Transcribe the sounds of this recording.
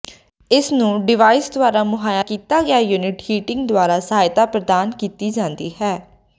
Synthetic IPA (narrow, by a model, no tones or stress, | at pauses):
ɪsnũːɖɪʋaːɪsd̪ʊaːɾaːmʊɦaːjaːkiːt̪aːɡɪaːjuːnɪʈhiːʈɪ̃ŋɡd̪ʊaːɾaːsəɦaːɪt̪aːpɾəd̪aːnkiːt̪iːd͡ʒãːnd̪iːɦɛː